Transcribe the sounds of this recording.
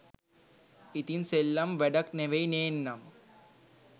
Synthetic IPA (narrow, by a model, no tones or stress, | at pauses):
it̪inselːɐmʋeɖɐk̚neʋejneːnːɐm